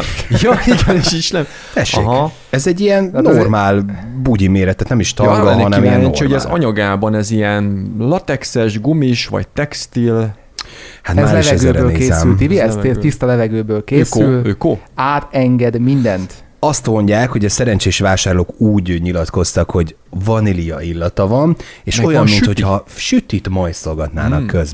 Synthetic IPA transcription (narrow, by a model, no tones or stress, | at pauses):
jɒiɡɛneːʃiʃnɛm | t̪ɛʃḛːɦk | ɛzɛɟːijɛnnormaːlbuɟimeːɾɛt̪ːaːt̪nɛmiʃt̪ɒɾɡɔɛɒnɛmiɛnɛnt͡ʃihoɟɛzɒ̰ɲɒɡaːbɒnɛzijɛnlɒt̪ɛksɛʒɡumiʃʋɒ̰c̚t̪ɛkst̪il | hat̪mazːlɛvʃɛɛzɡøːɾbøːleːeːɛsylt̪iiɛset̪ist̪ɒlɛvɛɡøːbøːlkeːsyløkoaːt̪ɛŋɡɛd̪mind̪ɛnt̪ | ɒst̪mo̞ɲɟaːkho̞ɟɒsɛɾɛnt͡ʃeːʃʋaːʃaːrloːkuːɟɲilɒt̪ko̞st̪ɒkho̞ɟ | vɒnilijɒilːɒt̪ɒvɒneʃo̞jɒmminho̞chɒʃyt̪it̪mɒjt̪so̞lɡɒt̪na̰ːnɒkːøzbɛ